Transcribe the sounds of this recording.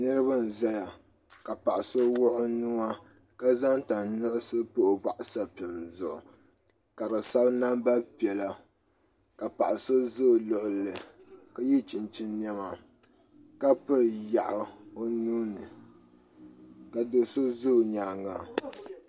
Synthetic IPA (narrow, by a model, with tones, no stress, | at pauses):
nɨ˦ɾɨ˦ba˦n˨za˦ja˨ | ka˨pa˨ʔa˨so˦wʊ˦ʔʊ˦nu˦ma˦ | ka˦za˦ŋta˨nnʊ˦ʔʊ˦sɨ˦po˦ʔʊ˨ba˨ʔʊ˨sa˦pɛ˨mzʊ˨ʔʊ̰˨ | ka˨ɾɨ˨sa˦bna˦mba˦pi˨ɛ˨la˨ | ka˨pa˨ʔa˨so˦zoː˦˨lʊ˨ʔʊ˨lɨ˨ | ka˦ji˦t͡ʃi˨nt͡ʃi˦nn˦ɛ˦ma˨ | ka˦pɨ˦ɾɨ˨ja˨ʔa˨o˦nuː˦nɨ˨ | ka˨do˨so˦zo˦˨ɲa˨ŋa˨